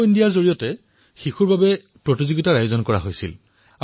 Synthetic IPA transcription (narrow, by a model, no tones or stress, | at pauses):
indijaɹzoɹijɔtɛ | xixuɹbabɛ | pɹotizoɡitaɹajozɔnkɔɹa̰ɦojsḭl | a